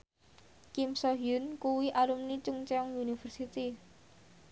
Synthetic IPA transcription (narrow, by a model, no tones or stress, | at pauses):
kimsɔɦjʊnkuwiʔalumnit͡ʃʊŋt͡ʃɛɔŋunifərsit̪i